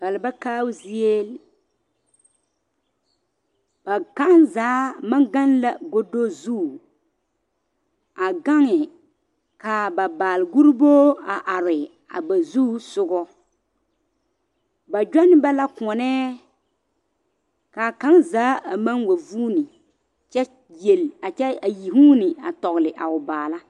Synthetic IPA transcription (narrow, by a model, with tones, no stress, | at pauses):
ba˨lba˦kaː˦wzi˦e˦l | ba˨ka˦ʔnzaː˨˦ma˦ŋɡa˦nla˨ɡo˦do˦zu˦˨ | a˨ɡa˦ŋɪ˨ | ka˨ba˨baː˨lɪ˨ɡu˦ɾi˦boː˦a˨ʔa˨ɾɪ˨ | a̰˨ba˨zuː˦sʊ˦ɡɔ˦ | ba˨d͡ʒᶣa˦nɪ˦ba˦la˦kɔ˨nɛː˦ | ka˨ka˦ŋzaː˨˦a˨ma˦nwa˨vuː˦nɪ˨ | t͡ʃɛ˦ | je˨la˨t͡ʃɛ˦a˨ji˨ɦuː˦nɪ˨a̰˨tɔ˨ɣlɪ˨ʔa˨ʊ˨baː˨la˦